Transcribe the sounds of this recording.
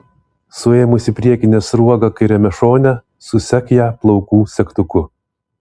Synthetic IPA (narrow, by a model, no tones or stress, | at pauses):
sʊeːmʊsʲɪpʲɾʲiɛkʲɪnʲeːsɾuɔɡɑkɐɪɾʲɛmʲɛʃoːnʲæ | sʊsʲɛkjæːplˠɐʊkuːsʲɛkt̪ʊkʊ